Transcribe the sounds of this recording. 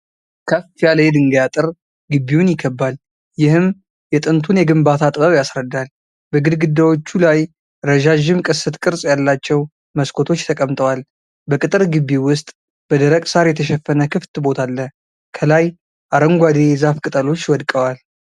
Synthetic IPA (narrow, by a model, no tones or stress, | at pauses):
kʰəfijaləjed̪ɨŋɡjat̪ʼɨɾ | ɡɨbːiwunjɪɡəbːal | jɪhɨm | jɛt̪ʼɨnt̪ʰunjɛɡɨmbat̪ʰat̪ʼɨbəwjasɾəd̪ːal | bəɡɨd̪ɡɨd̪ːawot͡ʃːulaj | ɾəʒaʒɪmkʼɨsːɨt̪ʼkʼɨɾsʼjalːat͡ʃːɛw | məskʰo̞t̪ʰo̞t͡ʃːt̪ʰəkʼəmt̪ʰʼəwal | bəkʼɨt̪ʼɨɾɡɨbːiwʊst̪ʼ | b̥əd̪əɾəkʼsaɾjɛt̪ʰəʃɛfːənəkʰɨft̪bo̞t̪ʰalːə | kʰəlaj | ʔaɾəŋɡʷad̪ejzafkʼɨt̪ʼəlo̞t͡ʃːwɔd̪kʼəwal